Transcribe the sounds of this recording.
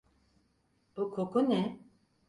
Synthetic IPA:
b̥ukʰokʰunɛ

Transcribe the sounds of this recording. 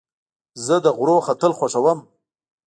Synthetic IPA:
zəd̪əɣɾoxat̪əlxwaʂawəm

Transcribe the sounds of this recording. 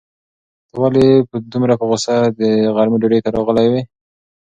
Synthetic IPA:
walepəd̪umɾapəɣosad̪əɣaɾmiɖoɖəjt̪aɾɑɣəlajwe

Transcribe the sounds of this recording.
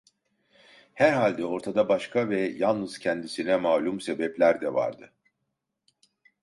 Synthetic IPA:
hæɾɦalʲd̪ɛo̞ɾt̪ʰad̪abaʃkʰavɛjanˠnɯz̥cʰɛnd̪isinɛmaːlʲumse̞bɛplʲæɾd̪ɛva̰ɾd̪ɯ

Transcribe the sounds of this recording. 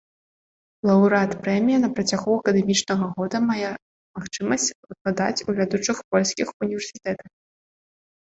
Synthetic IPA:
lˠɐwɾat̪pɾɛmʲijɐnɐpɾɐt͡sʲaɣuɐkɐd̪ɛmʲit͡ʂnɐɣɐɣɔd̪ɐmajɛ | maxt͡ʂɨmɐsʲt͡sʲvɨklˠad̪at͡sʲuvʲad̪ut͡ʂɨxpɔlʲsʲkʲixunʲivʲɛrsʲit̪ɛt̪ɐx

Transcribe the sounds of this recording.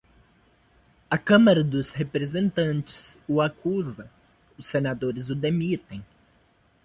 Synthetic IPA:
ɐkɐ̃mɐɾɐd̪ʊshepɾezẽnt̪ɐ̃nt͡ʃɪ̥s | ʊakuzɐ | ʊsːenad̪oɾɪzʊd̪emit̪ẽj̃

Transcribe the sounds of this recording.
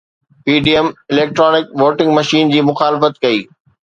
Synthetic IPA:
piːɖiːəmɪleːk̚ʈɾɔːnɪkʋoːʈɪ̃ŋɡmɐʃiːnd͡ʑiːmʊxaːlɪfət̪kɐiː

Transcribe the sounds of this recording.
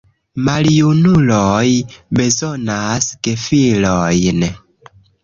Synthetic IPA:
maljunulojbezonaskefilojn

